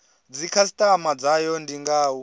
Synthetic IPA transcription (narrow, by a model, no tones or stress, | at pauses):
d͡zikʰas̬itʼamad͡zajɔndiŋɡaːu